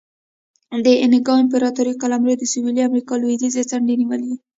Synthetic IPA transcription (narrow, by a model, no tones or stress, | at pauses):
d̪əʔɪnɪɡɑɪmp̬eɾɑt̪uɾikalamɾed̪əsuwiliamɾikɑloid̪izet͡saɳɖeniwəlei